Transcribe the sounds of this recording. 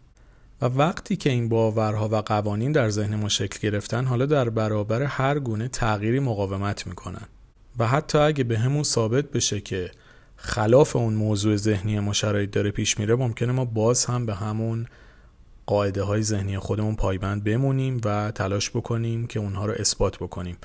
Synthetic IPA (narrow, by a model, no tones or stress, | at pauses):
vævæɡt̪ʰiːcʰe̞iːnbɒːvæɾɦɒːvæɡævɒːniːnd̪æɾze̞hne̞munʃe̞cʰlɟe̞ɾe̞ft̪ænɦɒːlɒːd̪æɾbæɾɒːbæɾe̞hæɾɡuːne̞t̪ʰæɣiːɾiːmoɣɒːve̞mæt̪ʰmiːkʰo̞næ̰n | væɦæt̪ʰːɒːæɟæbe̞ɦemunsɒːbe̞t̪̚ʰbe̞ʃe̞cʰe̞ | xælɒːfe̞unmoːzuːe̞ze̞hnijemɒːʃæɾɒːjed̪ɒːɾe̞pʰiːʃmiːɾe̞mo̞mcʰe̞ne̞mɒːbɒːzhæmbe̞ɦæmun | ɢ̥ɒːʔe̞d̪e̞ɦɒːje̞ze̞hniːjexo̞d̪e̞munpʰɒːjbænd̪̚be̞muniːmvæt̪ʰælɒːʃb̥o̞kʰo̞niːmcʰe̞unɦɒːɾɔʔe̞sb̥ɒːt̪ʰbo̞kʰo̞niːm